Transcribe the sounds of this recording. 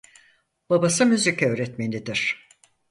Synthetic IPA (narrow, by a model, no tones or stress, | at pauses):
b̥abasɯmyzicʰɛøːɾɛt̪menid̪iɾ̥